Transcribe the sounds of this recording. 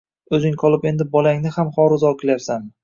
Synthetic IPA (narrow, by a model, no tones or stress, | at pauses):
ɵzɪŋqʰɒlˠɪpe̞nd̪ɪbɒlaŋnɪhamχɒɾɪzɒkʰʲɪlaɾsam